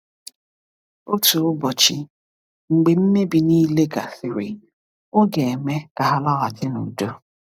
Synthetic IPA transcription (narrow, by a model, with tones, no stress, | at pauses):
o˦tu˨ʊ˦bɔ˨t͡ʃi˨ | ŋ͡m̩˨ɡ͡be˨m̩˦me˦bi˨niː˦le˦ɡa̰˨θɪ˨ɾi˨ | o˦ɡe˨e˨me˦ka˨ɦa˦la˦ɣa˨tɪ˦nṵ˨do˦